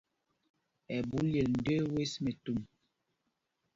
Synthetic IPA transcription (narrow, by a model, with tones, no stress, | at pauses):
ɛ˨bu˨˦lje˨ln̩˨de˦we˦sme˨tu˦˨m